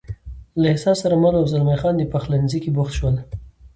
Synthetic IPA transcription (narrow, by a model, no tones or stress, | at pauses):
laɪhsɑssːaɾamalawzalmajxɑnd̪əpaxlanzikibʊxt̪ʃwəl